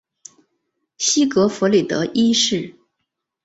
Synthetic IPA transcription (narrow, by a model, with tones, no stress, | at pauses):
ɕi˥kɤ˧˥fɔ˧˥li˨˩t̪ɤ̰˧˥ʔi˥ʂɻ̩˥˩